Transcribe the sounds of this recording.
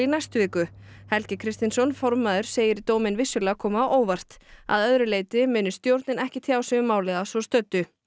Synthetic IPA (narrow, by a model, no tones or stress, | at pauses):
inajst̪ʏviːkʏ | hɛlcɪkʰɾɪst̪ɪnsɔnfɔɾmaðʏɾ̥seːjɪɾt̪oːwmɪnvɪsːʏlɛːakʰɔːmaʔoːwvar̥t̪a̰ðœðɾʏleːjt̪ɪmɪːnʏst̪jowɾt̪nɪnɛhcɪt̪ʰjaːwsɛɣʏmːaːwlɛɣasvɔ̥st̪œt̪ːʏ